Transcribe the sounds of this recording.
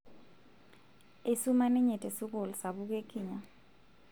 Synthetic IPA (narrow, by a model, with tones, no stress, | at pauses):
e˨su˦ma˦nɛ˦ɲɛ˨tʼɛ˨su˦k̬o˨lɔ˨sa˨ɓu˦k̬e˦kʰʼiː˨ɲa˨